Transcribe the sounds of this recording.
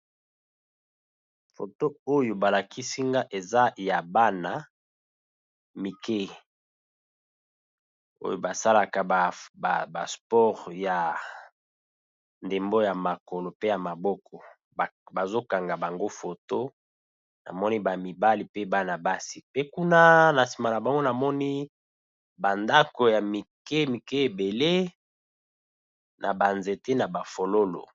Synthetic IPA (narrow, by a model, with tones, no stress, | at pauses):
fo˨to˦o˦jo˨ba˨la˨ki˦si˦ŋɡa˦ʔe˨za˦ja˨ba˦na˨ | mi˨ke˦ | o̰˦jo˦ba˨sa˦la˨ka˨a˨a˨ba̰˨spɔ˦ʁja˨ | nde˨mbo˦ja˨ma˨ko˨lo˨pe˦ja˨ma˨bɔ˦kɔ˨ | ba˨zo˦ka˨ŋɡa˨ba˨ŋɡo˦fo˨to˦ | na̰˨mɔ˦ni˦ba˨mi˨ba˦li˨pe˦ba˦na˨ba˦si˨pe˦ku˦na˦na˨si˨ma˨la˨ba˨ŋɡo˦na˨mɔ˦ni˦ | ba˨nda˦ko˨ja˨mi˨ke˦mi˨ke˦e˨be˨le˦ | nʔa˨ba˨nze˨te˦na˨ba˨fo˨lo˦lo̰˨